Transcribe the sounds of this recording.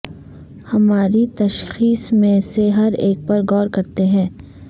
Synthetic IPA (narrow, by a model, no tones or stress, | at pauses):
hɐmaːɾit̪ɐʃxiːsmẽseɦɐɾeːk̚pɐɾɡɔːɾkɐɾt̪eɦɛ̃ː